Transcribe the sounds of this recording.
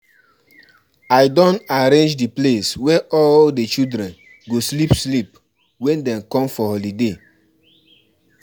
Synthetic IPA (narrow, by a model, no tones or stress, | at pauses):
ajdɔ̃naɾẽnd͡ʒdipleswɛʔɔldet͡ʃildɾɛ̃n | ɡoslipslip | wɛ̃ndɛ̃mkɔ̃mfɔhɔlide